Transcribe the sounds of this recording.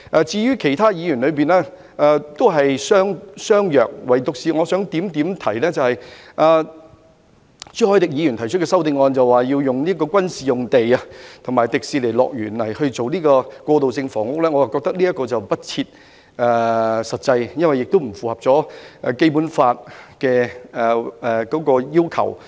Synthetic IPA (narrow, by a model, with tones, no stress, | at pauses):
ʔɛː˧t͡siː˧ɥyː˥kʰe˨˩jt̪ʰaː˥jiː˨˧jy˨˩nlɵ˨˧ɥpiː˨nɛː˥ | ʔɛː˨t̪o˥wɦɐ˨jsœː˥ŋsœː˥ŋjœː˨˩k̚wɐ˨˩jt̪ʊ˨k̚siː˨˧ŋɔ˨˧sœː˨˥ŋt̪iː˨˥mt̪i˨˥mt̪ʰɐ˨˩jlɛː˥t͡sɐ˨whɐ˨jʔaː˨˧ | t͡sy˥hɔː˨˥jt̪ɪ˨k̚jiː˨˧jy˨˩nt̪ʰjt͡ʃʰtkɛː˧sɐ˥wt̪ɪ˧ŋɔː˧nt͡sɐ˨waː˨˩ji˧wjʊ˨ŋliː˥k̬ɔː˧kʷɐ˥nsiː˨jʊ˨ŋt̪e˨jɐ˧t̪ʰʊ˨˩ŋmaː˨jt̪ɪ˨k̚siː˨˧le˨˩jlɔ̰ː˨k̚jyː˨˩nlɐ˨˩jhɵ˧ɥt͡so˨wniː˥kɔː˧kʷɔː˧t̪o˨wsɪ˧ŋfɔː˨˩ŋʊ˥k̚lɛː˥ŋɔ˨˧jaː˨˩kɔː˧k̚t̪ɐ˥k̚liː˥jɐ˥t̚kːɔː˧t͡sɐ˨wpɐ˥t̚t͡sʰiː˧t̚ | ɛː˨˧sɐ˨t̚t͡sɐ˧jjɐ˥nwɐ˨jːɪ˨k̚t̪o˥wm̩˨˩fuː˨hɐ˨˩p̚t͡sɔː˨˥ʔɛ˨ke˥jpu˨˥nfaː˧t̚kɛː˧ɛ˨kɔː˨˥kɔː˧jiː˥wkʰɐ̰˨˩w